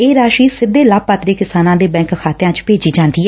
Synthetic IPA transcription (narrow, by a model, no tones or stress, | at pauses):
eːɾaːʃiːsɪd̪eːlaːpːaːt̪ɾiːkɪsaːnãːd̪eːbɛ̃ːŋkkʰaːt̪ejãːt͡ʃpeːd͡ʒiːd͡ʒãːnd̪iːɛ